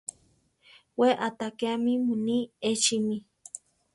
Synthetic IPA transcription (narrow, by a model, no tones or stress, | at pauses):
weʔat̪akeamimuniet͡ʃimi